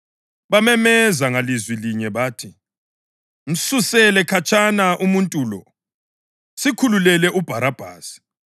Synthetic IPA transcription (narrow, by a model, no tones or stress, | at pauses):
βamɛmɛzaŋalizwiliɲɛβaːtʰi | m̩susɛlɛkʰat͡ʃʼanaʔumuntʼulɔ̰ | sikʰululɛlɛʔub̥ʱaɾab̥ʱa̰ːsi̥